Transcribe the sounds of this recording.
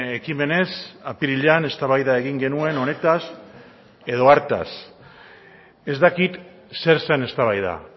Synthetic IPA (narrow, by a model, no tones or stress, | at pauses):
ekime̞ne̞sapiɾiʎane̞st̪aβajðae̞ɣiŋɡe̞nue̞no̞ne̞t̪as | e̞ð̞o̞aɾt̪a̰s | e̞zd̪akit̪ | se̞ɾsene̞st̪aβajða̰